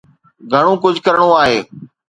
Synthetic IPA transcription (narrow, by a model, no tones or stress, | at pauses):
ɡʱəɽ̃õːkʊd͡ʑʱkəɾɽ̃oaːɦeː